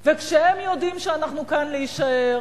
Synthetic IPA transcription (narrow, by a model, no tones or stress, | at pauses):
vekʃehemjo̞dimʃeanaχnukanleiʃae